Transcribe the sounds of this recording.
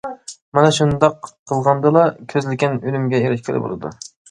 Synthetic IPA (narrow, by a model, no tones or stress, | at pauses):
mɛnɛʃund̪ɑqʰːəlˠʁɑnd̪ɨlˠɑkʲʰøzlɪkʲɛnølymɡʲɛjeɾɪʃkʲʰɪlɪ̰bo̰lˠɨ̰d̪ṵ